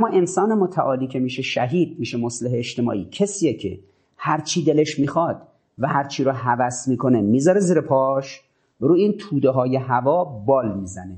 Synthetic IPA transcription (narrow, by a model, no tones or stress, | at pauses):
æmːɒːʔe̞nsɒːnemot̪ʰæʔɒːliːkʰemiːʃe̞ʃæɦiːd̪̚miːʃemosleɦeːʃt̪e̞mɒ̰ːʔiːcʰesiːjecʰe̞̰ | hæɾt͡ʃʰiːd̪eleʃmiːxɒːd̪̥ | væhæɾt͡ʃʰiːɾʊɦævæsmiːkʰone̞miːzɒɾeziːɾepʰɒːʃ | ɾuːiːnt̪ʰuːd̪eɦɒːje̞ɦævɒːbɒːlmiːzæne̞